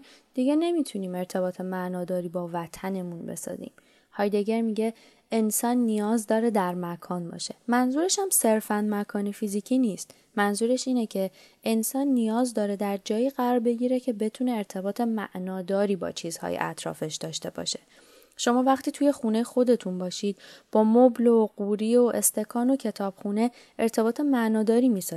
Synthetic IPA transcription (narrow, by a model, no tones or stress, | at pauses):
d̪̥iɟene̞mit̪ʰuniːme̞ɾt̪ʰe̞bɒːt̪ʰe̞mæʔnɒːd̪ɒːɾiːbɒːvæt̪ʰæne̞munbe̞̰sɒ̰zḭːm | hɒːjd̪eɟeɾmiɟe̞ | ensɒːnːijɒːzd̪ɒːɾe̞d̪æɾmækʰɒːnbɒ̰ːʃe̞mænzuːɾe̞ʃæmse̞ɾfænmækʰɒːnefizicʰiniːst̪ | mænzuːɾe̞ʃiːnecʰe̞ | ʔensɒːnːijɒːzd̪ɒːɾe̞d̪æɾd͡ʒɒːjiːɣæɾɒːɾbe̞ɟiːɾe̞cʰe̞be̞t̪ʰuːne̞ːɾt̪ʰe̞bɒːt̪ʰe̞mæ̰ʔnɒːd̪ɒːɾiːbɒ̰t͡ʃʰiːz̥hɒ̰ːjḛʔæ̰t̪ʰɾɒ̰ːfeʃd̪̥ɒːʃt̪e̞bɒ̰ʃe̞̥ | ʃo̞mɒːvæχt̪ʰiːt̪ʰuːje̞xune̞jexo̞d̪e̞t̪ʰunbɒːʃiːd̪̥̚b̥ɒːmobloɢuɾio̞ʔe̞st̪e̞kʰɒːno̞cʰe̞t̪ʰɒːb̥xune̞ | eɾt̪ʰe̞bɒːt̪ʰemæʔnɒːd̪ɒːɾiːmiːsɒ